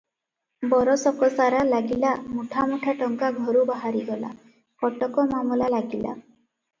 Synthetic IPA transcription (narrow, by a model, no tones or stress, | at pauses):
bɔɾɔsɔkɔsaɾalaɡilamuʈʰamuʈʰaʈɔŋkaɡʱɔɾubaɦaɾiɡɔla̰ | kɔʈɔkɔmamɔlalaɡila̰